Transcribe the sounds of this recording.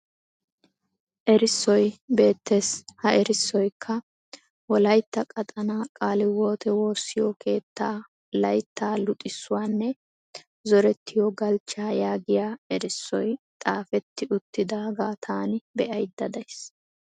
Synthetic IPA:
ʔɛɾɪsːɔjbe̞ːt̪ːeshɐʔɛɾɪsːɔjkʰːɐ | wɔlɐjt̪ːɐkʼɐt̪ʼɐnaːkʼaːlɪwo̞ːt̪ɛwo̞ːsːɪjɔkʰe̞ːt̪ʰːaː | lɐjt̪ːaːlʊt̪ʼːɪsːʊwaːnːɛ | zɔɾɛt̪ːɪjɔɡɐlt͡ʃːaːjaːɡɪjaːɛɾɪsːɔjt̪ʼaːfɛt̪ːɪʊt̪ːɪd̪aːɡaːt̪ʰaːnɪbɛʔɐjd̪ːɐd̪ɐjs

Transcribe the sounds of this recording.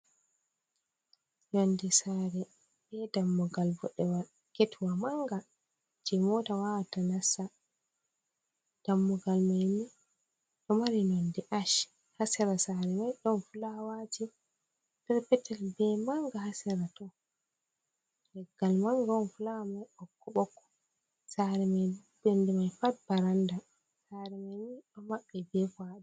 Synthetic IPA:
nondisaɾɛ | bɛdamːɔɡalbɔɗɛwa | ketʰuwamaŋɡa | d͡ʒɛmɔtawawatanasa | d̥amːɔɡalmajmi | ɗɔmaɾinondiʔaʃ | hasɛɾasaɾɛmajɗɔnfulawati | d̥ɛɾpɛtɛlbɛmaŋɡahasɛɾatɔ | lɛɡːalmaŋɡanfulamajɔkːɔɓɔkːɔ̥ | saɾɛmajudɔndimajfat̚baɾanda | saɾɛmajmiɗɔmaɓːɛbɛfaɗa

